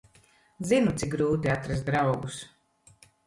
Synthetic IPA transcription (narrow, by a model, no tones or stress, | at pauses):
zinut̪sikɡɾuːt̪iat̪ɾas̬t̪d̪ɾawɡus